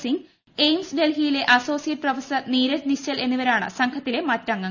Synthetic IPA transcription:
siŋɡ | ejmsɖe̞lɦijile̞ʔɐso̞ːsijɐʈ̚prɐʋɐsɐniːɾɐtniɕɐle̞nːuʋɐɾaːɳɨ̰sɐŋkʰɐt̪ːile̞mɐtːɐŋːɐ

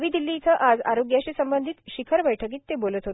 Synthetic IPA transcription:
ʋiːd̪ilːiːt͡səʔad͡zaɾoɡjaɕisəmbənd̪ʱiːt̪ɕikʰəɾʋəjʈʰək̬iːt̪ːebolət̪ɦot̪

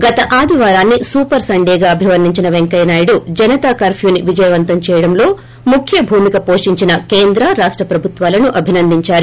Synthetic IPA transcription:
ɡɐt̪ɐʔaːd̪ʱiʋaːɾaːnːisuːpɐɾsɐɳɖɛːɡaːɐbʱiʋɐɾniɲt͡ʃinɐʋeŋkɐjnaːjɐɽud͡ʒɐnɐt̪aːkɐːɾpʰjuːniʋid͡ʒɐjɐʋɐnt̪ɐmt͡ʃɛːjɐɽɐmlo̞ː | mukʰjɐbʱuːmikɐpo̞ːʂiɲt͡ʃinɐkeːnd̪ɾɐɾaːʂʈɾɐpɾɐbʱut̪ʋaːlɐnuʔɐbʱinɐnd̪iɲt͡ʃaːɾu

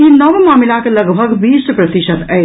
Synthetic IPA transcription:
inɐʋmaːmɪlakelɐɡbʱɐɡʋiːsʈpɾɐt̪iʃət̪ɛ

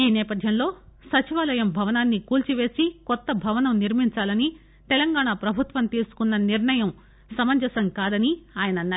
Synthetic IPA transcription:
iːnɛːpɐd̪ʱjɐmlo̞ːsɐt͡ʃiʋaːlɐjɐmbʱɐʋɐnaːnːikuːlt͡ʃiʋe̞ːsikɔt̪ːɐbʱɐʋɐnɐmniɾmiɲt͡ʃaːlɐni | t̪ɛlɐŋɡaːɳapɾɐbʱut̪ʋɐmt̪iːsu̥kunːɐniɾɳɐjɐm | sɐmɐɲd͡ʒɐsɐŋkaːd̪ɐniaːjɐnɐnːa

